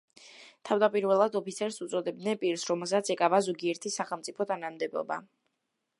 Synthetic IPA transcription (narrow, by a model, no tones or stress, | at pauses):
t̪ʰavd̪apʼiɾvɛlˠad̪ɔpʰit̪sʰɛɾsut̪sʼɔd̪ɛb̚d̪nɛnpʼiɾsɾɔmɛlˠs̬at̪sʰɛkʼavazɔɡiɛɾt̪ʰisːaχɛlˠmt̪sʼipʰɔt̪ʰanamd̪ɛbɔ̰ba̰